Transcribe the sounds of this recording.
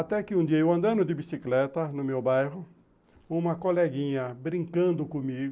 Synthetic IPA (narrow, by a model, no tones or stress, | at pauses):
at̪ɛkɪũd̪iɐewɐ̃nd̪ɐ̃nʊd̪ɪbisiklɛt̪ɐnʊmewbajɦʊ | ũmɐkolɛɡĩɲɐbɾĩŋkɐ̃nd̪ʊkõmiɡʊ